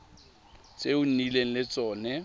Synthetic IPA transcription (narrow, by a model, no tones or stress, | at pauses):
t͡sʼeʊn̩nileŋ̩lɪt͡sʼɔːnɛ